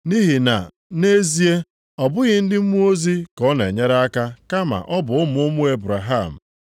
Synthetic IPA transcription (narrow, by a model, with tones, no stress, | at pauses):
ni˦ɦi˨na̰˨ | ne˦zi˦e˦ | ɔ˨bʊ˦ɣɪ˦n̩˦dɪ˦m̩˦mu˦o˦zi˦kɔ˦nḛ˨ɲe˦ɾa˦ka˦ka˦ma̰˨ʔɔ˦bʊ˨ʊ˦m˨ʊ˦mʊ˦e˦bɾa˨ɦa˦˨m̩˨